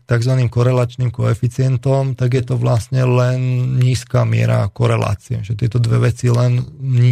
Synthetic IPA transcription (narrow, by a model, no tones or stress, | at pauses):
t̪aɡzʋaniːmkɔɾɛlaːt͡ʃniːmkɔɛfit͡sɪɛnt̪ɔmt̪aɡjɛt̪ɔʋlasɲɛlɛnɲiːskaːmɪɛ̰ɾa̰kɔɾɛla̰ːt͡siɛ̰ʒɛt̪ɪɛt̪ɔd̪ʋɛʋɛt͡silɛn